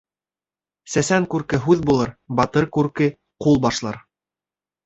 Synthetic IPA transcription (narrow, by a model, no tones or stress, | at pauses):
sæsæŋkʉɾkɘɦʉðbulˠɤɾbɑt̪ɤɾkʉɾkɘ | qulˠbɑʃlˠɑɾ